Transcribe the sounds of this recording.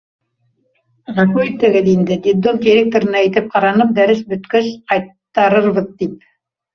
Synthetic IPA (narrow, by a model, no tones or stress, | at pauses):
nɑkut̪ɘ̆ɡɘðind̪ɘd̪id̪olˠd̪ʲɪɾʲek̚t̪oɾɤ̆nɑæjt̪ɘp̚qɑɾɑnɤp̚d̪æɾɘsbɵ̆t̪kɵʃqɑjt̪ː | ɑɾɤɾβɤðt̪ip̚